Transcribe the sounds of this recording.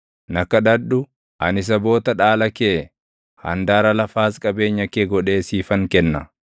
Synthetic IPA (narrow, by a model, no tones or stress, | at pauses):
nɐkːɐᶑɐᶑʊ | ɐ̰nɪs̬ɐbo̞ːt̪ɐᶑaːlɐkeː | hɐ̰nd̪aːɾɐlɐfaːskʼɐbe̞ːɲːɐkeːɡɔᶑe̞ːsiːfɐŋkɛnːɐ̰